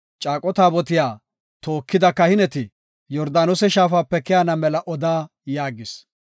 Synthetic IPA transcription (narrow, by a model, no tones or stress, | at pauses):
t͡ʃʼaːkʼɔt̪aːbɔt̪ɪjaː | t̪oːkːɪd̪ɐkːɐhɪnɛt̪ɪ | jɔɾd̪aːnɔsɛʃaːfaːpːɛkɛjaːnɐmɛlɐʔɔd̪aː | jaːɡɪs